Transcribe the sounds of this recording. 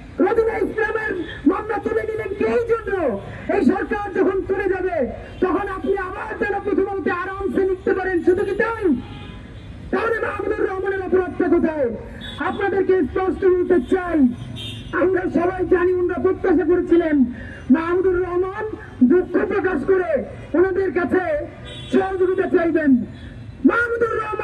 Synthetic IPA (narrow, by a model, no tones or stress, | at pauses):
pɾod̪ʱuneislameɾ | mɔnːat̪ːobenilenkejd͡ʑʱonːo | ejʃɔɾkaɾd͡ʑɔkʰont͡ɕuled͡ʑabe | t̪ɔkʰonapniabaɾd͡ʑ̪anopɾot̪ʰomont̪eaɾamsenik̚t̪epaɾenʃud̪ʱukit̪aj | t̪amonemaɦmud̪uɾːɔɦmaneɾɔpoɾod̪̚t̪akot̪ʰae | apnad̪eɾkespɔsʈoɡoɾt̪et͡ɕaj | amɾaʃɔbajd͡ʑanionɾapɾot̪ːaʃ̬ak̬oɾet͡ɕʰilen | maɦmud̪uɾːɔɦman | d̪ukʰːopɾokaʃkoɾe | onod̪eɾk̬at͡ɕʰe | ʃɔɾd͡ʑoɡit̪et͡ɕajben | mamud̪uɾːɔɦma